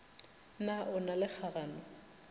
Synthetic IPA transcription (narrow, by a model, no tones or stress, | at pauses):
naʔʊnalɪk͡xʰaranɔ